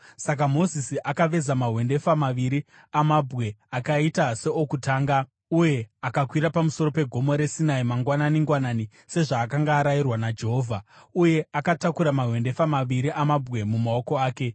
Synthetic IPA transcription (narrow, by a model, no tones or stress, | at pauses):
sak̬amo̞zisiʔakaʋe̞zamaɦwe̞nde̞famaʋiɾi | amabʱɣe̞akaitase̞okutaːŋɡa | uje̞akakwiɾapamuso̞ɾo̞pe̞ɡʱo̞mo̞ɾe̞sinaimaŋɡwananiŋɡwanaːni | se̞ʐaːkaŋɡaːɾajirwanad͡ʒe̞ɦo̞ːvʱauje̞akatakuɾamaɦwe̞nde̞famaʋiɾiʔamabʱɣe̞mumao̞ko̞aːke̞